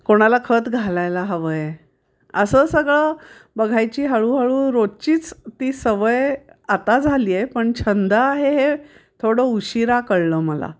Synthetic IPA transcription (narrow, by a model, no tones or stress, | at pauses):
koɽ̃alakʰət̪ɡʱalajlaɦəʋəje | əsəːsəɡɭəbəɡʱajt͡ɕiːɦəɭuːɦəɭũːɾot͡ɕiːt͡st̪iːsəʋəjat̪ad͡zʱaliːjepəɳt͡ɕʰənd̪ʱəːɦeɦe | t̪ʰoɽəuɕiɾakəɽləːməla̰